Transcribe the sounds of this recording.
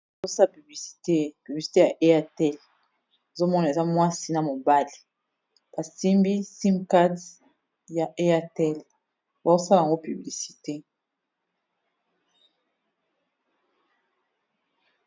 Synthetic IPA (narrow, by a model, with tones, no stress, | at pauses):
a˨zo˦sa˦la˨py˨bli˨si̥˨te˦py˨bli˨si̥˨te˦ja˨ʔe˦a˦tɛ˦l | e˨zo˦mɔ˦na˨e˨za˦mwa˦si˦na˨mo˨ba˦li˨ | b̥a˨si˦mbi˦si˦mka˦d | ja˨ʔe˦a˦tɛ˦l | ba˨o˦sa˦la˨ŋɡo˦py˨bli˨si̥˨te˦